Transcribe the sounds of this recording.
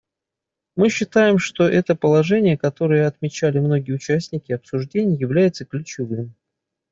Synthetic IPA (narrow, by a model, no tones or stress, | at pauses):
mɨɕːɪt̪ajɪmʂt̪o̞ʔɛt̪əpəlˠɐʐɛnʲɪjəkɐt̪o̞ɾɨjəɐt̪mʲɪt͡ɕælʲɪmno̞ɡʲɪjəʊt͡ɕæsʲnʲɪkʲɪɐpsʊʐdʲenʲɪjjːɪvlʲæjɪt̪səklʲʉt͡ɕɪvɨm